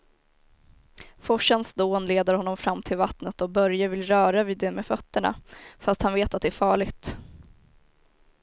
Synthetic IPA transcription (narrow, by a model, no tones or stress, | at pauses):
fɔʂənsd̪oːnleːd̪əɾhɔnːɔmfɾamːt̪ʰɪlvat̪nət̪ɔbœɾjavɪlɾœːɾaviːd̪ɛmeːfœt̪ːəɳa̰fast̪hanveːt̪at̪̚d̪ɛæːɾfɑːɭɪɡt̪